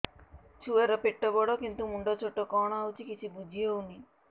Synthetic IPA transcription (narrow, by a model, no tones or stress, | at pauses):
t͡ʃʰuwɛɾɔpeʈːɔbɔɽokint̪umuɳɖɔt͡ʃʰɔʈːɔkɔːɳ̃aawt͡ʃʰikit͡ʃʰibud͡ʒʱijouni